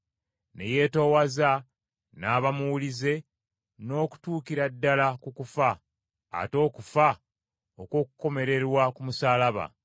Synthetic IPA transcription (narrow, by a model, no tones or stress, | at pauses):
ne̞̰je̞ːto̞waza | naːβamuulize̞ | no̞ːku̥tuːkiɾadːalakukufa̰ː | to̞ːkufa | okwo̞ːkuko̞me̞ɾe̞ɾwakumusaːlaβa̰